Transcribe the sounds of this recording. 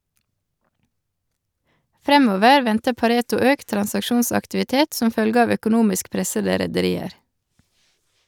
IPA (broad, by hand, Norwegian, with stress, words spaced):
ˈfɾɛmoːʋəɾ ˈʋɛntə pɑˈɾeːtʊ ˈøːkt tɾɑnsɑkˈʃuːnsɑktɪʋɪˌteːt ˈsɔm ˈfœlɡə ˈɑʋ œkʊˈnuːmɪsk ˈpɾɛsədə ɾɛdəˈɾiːəɾ